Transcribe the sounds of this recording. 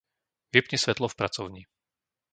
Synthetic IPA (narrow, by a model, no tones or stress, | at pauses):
ʋɛpɲɛsʋɛt̪lɔfpɾat͡sɔʊɲi